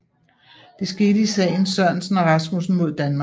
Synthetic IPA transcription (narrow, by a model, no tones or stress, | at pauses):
d̥e̝sɡ̥e̝ːdəisɛ̰ːɪn̩sɶɐ̰nsn̩eʁɑsmusn̩mo̝ð̞̰ˠd̥ænmɑ̈